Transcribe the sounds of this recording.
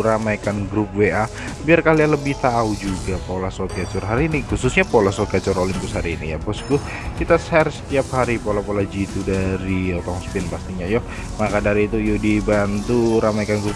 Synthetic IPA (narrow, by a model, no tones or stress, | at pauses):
ɾamajkanɡɾup̚weʔa | biarkalialəbɪht̪aud͡ʒuɡapolasokiat͡ʃʊrɦaɾiːnihususɲapolasokiat͡ʃʊɾolimpʊshaɾiːnḭja̰bɔsɡʊ | kit̪asɛrsə̥t̪iap̚haɾipolapolad͡ʒit̪udaɾiot̪ɔŋspɪnpast̪iɲajʊ | makadaɾiːt̪ujudibant̪uɾamajkanɡɾʊp